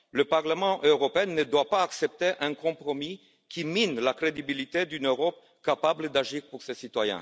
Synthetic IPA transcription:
ləpaʁləmɑ̃ʔøʁɔpeɛ̃nːəd̪wapaːksɛp̚t̪eʔɛ̃kɔ̃pχɔmi | kʰʲiminlakχed̪ibilit̪ed̪ynøʁɔp̚ | kapabləd̪aʒiːʁpuʁsesit̪wajɛ̰̃

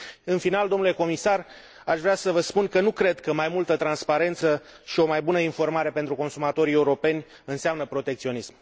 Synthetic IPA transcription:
ɨnfinald̪o̞mnule̞ko̞misar | aʃvɾeasəvəspunkənukɾe̞d̪kəmajmult̪ət̪ɾanspaɾe̞nt̪səʃio̞majbunəinfo̞rmaɾe̞pe̞nt̪ɾuko̞nsumat̪o̞ɾie̞uɾo̞pe̞nʲ | ɨnseamnəpɾo̞t̪e̞k̚t̪sio̞nism

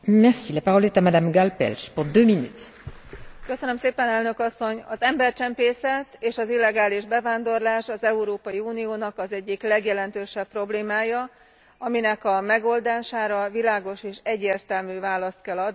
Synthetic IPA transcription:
mɛʁsilapaʁɔlɛt̪amad̪amɡalpɛ̰lʃpuʁd̪øːminy̰t̪ | kø̞sønø̞mseːpɛnɛlnøkɒsːo̞ɲɒzɛmbɛrt͡ʃɛmpeːsɛt̪eːʃɒzilːɛɡaːliʒbɛvaːnd̪o̞rlaːʃɒzɛuɾoːpɒjiuːnijoːnɒkɒzɛɟːiklɛɡjɛlɛnt̪øːʃɛpːro̞bleːmaːjɒ | ɒminɛkɒmɛɡo̞ld̪aːʃaːɾɒvilaːɡo̞ʃeːʃɛɟːeːrt̪ɛlmyːvaːlɒst̪kɛlːɒd̪ni

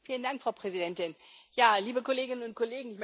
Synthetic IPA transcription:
fiːləndaŋkfʁ̥aʊpʁ̥ɛzidɛntɪnjaːliːbəkʰoleːɡɪnənʊnt̚kʰoleːɡŋ̩ɪçm

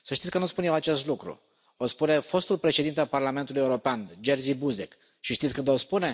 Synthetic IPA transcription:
səʃt̪it̪ʲkənuspunjewat͡ʃe̞st̪lukɾṵ | ospune̞fo̞st̪ulpɾe̞ʃe̞d̪int̪ealparlament̪ulujeuɾo̞peand͡ʒerzibuzek | ʃiʃt̪it̪sʲkɨnd̪ospune̞

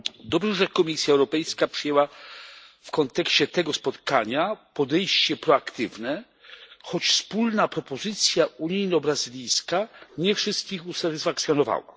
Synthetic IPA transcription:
d̪ɔbʐɛʐɛkɔmʲisʲjaɛwɾɔpɛjskapʂɨjɛwa | fkɔnt̪ɛkɕt͡ɕɛt̪ɛɡɔspɔt̪kaɲapɔd̪ɛjɕt͡ɕɛpɾɔakt̪ɘvnɛ | xɔt͡ɕfspulnapɾɔpɔzɘt̪sʲjauɲijnɔbɾazilʲijskaɲɛfʂɘst̪̚kʲixusat̪ɪsfakt̪sʲjɔnɔva̰wa̰

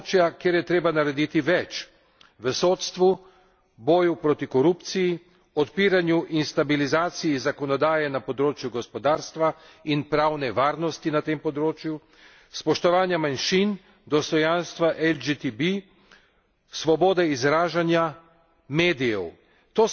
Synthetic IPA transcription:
t͡ʃjakeːɾjɛt̪ɾeːbanaɾɛd̪it̪iʋɛt͡ʃ | ʋəsoːt̪st̪ʋu | bɔːjupɾot̪ikɔɾuːpt̪siji | ɔt̪piːɾanjuʔinst̪abilizaːt̪sijizakɔnɔd̪aːjɛnapɔd̪ɾoːt͡ʃjuɡɔspɔd̪aːɾst̪ʋa | inpɾawnɛʋaːɾnɔst̪inat̪empɔd̪ɾoːt͡ʃju | spɔʃt̪ɔʋaːnjamanʃin | d̪ɔst̪ɔjanst̪ʋaʔɛld͡ʒit̪ibi | sʋɔboːd̪ɛizɾaːʒanja | meːd̪ijɛw | t̪oː

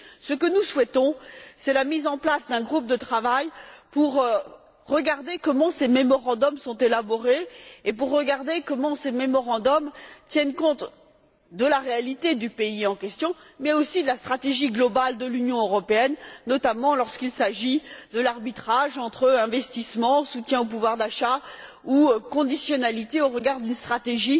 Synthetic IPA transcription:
səkənuswɛt̪ɔ̃sɛlamizɑ̃plasd̪ɛ̃ɡʁup̚d̪ət̪χavajpuʁ | ʁəɡaʁd̪ekɔmɑ̃sememɔʁɑ̃d̪ɔmsɔ̃t̪elabɔʁeepuʁːəɡaʁd̪ekɔmɑ̃sememɔʁɑ̃d̪ɔmt̪jɛnkɔ̃t̪ | d̪əlaʁealit̪ed̪ypeiɑ̃kʲɛst̪jɔ̃mɛosid̪əlast̪χat̪eʒiɡlɔbald̪əlynjɔ̃øʁɔpeɛnːɔt̪amɑ̃lɔʁskilsaʒid̪əlaʁbit̪χaʒɑ̃t̪χəɛ̃vɛst̪ismɑ̃sut̪jɛ̃op̬uvwaʁd̪aʃa | ukɔ̃d̪isjɔnalit̪eoʁəɡaʁd̪ynst̪χat̪eʒi

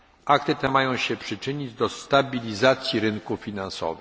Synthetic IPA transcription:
ak̚t̪ɘt̪ɛmajɔ̃w̃ɕɛpʂɘt͡ʂɘɲid͡ʑd̪ɔst̪abʲilʲizat̪sʲjiɾɘŋkufʲinansɔ̰vɘ

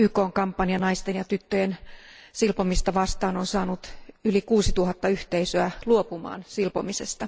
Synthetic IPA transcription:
ykoːŋkɑmpːɑniɑnɑist̪enjɑt̪yt̪ːøjensilpomist̪ɑʋɑst̪ɑːnonsɑːnut̪ylikuːsit̪uhɑt̪ːɑyht̪eisøæluopumɑ̰ːnsilpomisḛst̪ɑ

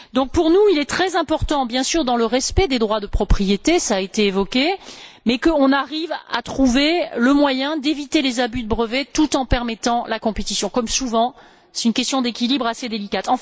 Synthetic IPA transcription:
d̪ɔ̃k̚puʁnuilɛt̪χɛzɛ̃pɔʁt̪ɑ̃bjɛ̃syʁd̪ɑ̃ləʁɛspɛd̪ed̪ʁwad̪əpχɔpχijet̪esaːet̪eːvɔkʲemɛkəɔ̃naʁiva̰t̪χuveləmwajɛ̃d̪evit̪elezabyd̪əbʁəvet̪ut̪ɑ̃pɛʁmɛt̪ɑ̃lakɔ̃pet̪isjɔ̃kɔmsuvɑ̃ | sɛ̥t̪ynkʲɛst̪jɔ̃d̪ekʲilibʁased̪elikat̪ɑ̃

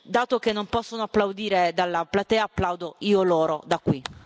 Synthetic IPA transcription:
d̪aːt̪okenːompɔsːonoapːlawd̪iːɾed̪alːaplat̪ɛːaːpːlawd̪oiːoloːɾod̪akːwi

